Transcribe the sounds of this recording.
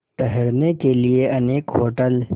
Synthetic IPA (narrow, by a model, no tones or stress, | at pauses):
ʈəɦəɾnekelieɐneːkɦoːʈəl